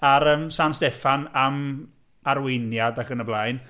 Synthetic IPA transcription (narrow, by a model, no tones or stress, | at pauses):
aɾəmsanstɛfanam | aɾwɪnjadaχənəblˠajn